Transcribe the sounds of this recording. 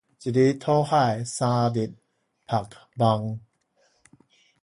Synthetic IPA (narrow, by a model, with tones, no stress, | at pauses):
t͡ɕi˨di˧˦t̪ʰɔː˦haː˥˧˩jsaː˧di˨˩t̪̚ | pʰa˨˩k̚ba˧ŋ